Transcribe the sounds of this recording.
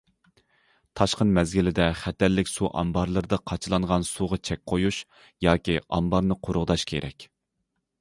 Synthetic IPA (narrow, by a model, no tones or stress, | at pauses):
t̪ʰɑʃqənmɛzɡʲilɪd̪ɛχɛt̪ɛlːɪkʲsuʔɑ̰mbɑɾlˠɨɾɨd̪ɑqʰɑt͡ʃʰɨlˠɑɴʁɑnsuʁɑt͡ʃʰɛk̚ʲqʰojuʃ | jɑːkʲiʔɑ̰mbɑɾnɨqʰoɾʊʁd̪ɑʃkʲʰḛɾʔɛ̰kʲ